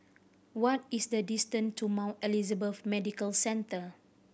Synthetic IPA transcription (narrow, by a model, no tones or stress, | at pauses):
wɔtisdədistə̃ntʰumãwntɛlizəbəθmɛdikəlsɛ̃ntə